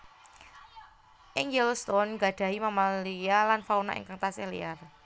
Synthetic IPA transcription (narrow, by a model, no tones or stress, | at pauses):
ʔɪŋɛlst̪ɔnɡa̤ɖ̪̥ä̤ɦimamalijalanfauna̰ʔḭŋkaŋt̪asɪhlḭar